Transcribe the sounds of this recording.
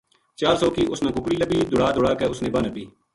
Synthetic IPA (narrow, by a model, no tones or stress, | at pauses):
t͡ʃaːɾsɔːkiːʔʊsnãːkʊkɽiːləbiːd̪ʊɽaːd̪ʊɽaːkeːʊsnẽːbãːnəbiː